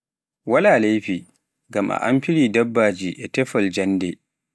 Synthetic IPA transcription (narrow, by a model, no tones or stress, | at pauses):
wɐlaːlejɸiː | ɡamʔa̰ʔa̰mɸɪɽiːdɐbːaːd͡ʒiːʔɛtɛɸɔld͡ʒɐndɛ